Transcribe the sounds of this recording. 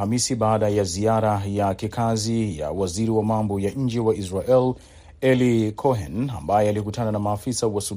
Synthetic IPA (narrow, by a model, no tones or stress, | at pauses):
amisiɓaːɗajaziaɾajakikʰazija̰waziɾiwamambɔjaɲ̩d͡ʒɛwaʔisɾaʔɛl | ɛlikʰɔɦɛna̰mbajɛalikutananamaːfisawasu